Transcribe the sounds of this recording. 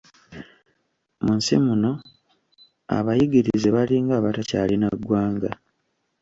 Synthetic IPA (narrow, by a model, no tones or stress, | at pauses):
munsḭmuno̞ | a̰βajiɡiɾizeβaliːŋɡaːβatacalinaɡwaːŋɡa